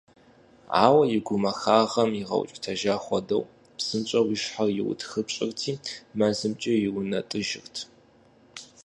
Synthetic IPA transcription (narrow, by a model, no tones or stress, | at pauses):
a̰ːwɐjɪɡʷʊmɐxaːʁɐmjɪʁɐ̰wt͡ʃʼtʰɐʒaːχʷɔdɐ̰w | psɨmt͡ʃʼɐwiʃħarjɪwʊ̰tʰxɨpt͡ʃʼɪrtʰiːmazɨmt͡ʃʼɐjɪwʊnɐtʼɨʒɪ̰rtʰ